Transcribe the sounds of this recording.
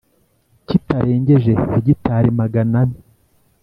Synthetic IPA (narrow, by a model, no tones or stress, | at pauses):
citaɾʔe̞ːɲɟe̞ʒe̞eɟitaːɾimaɡanani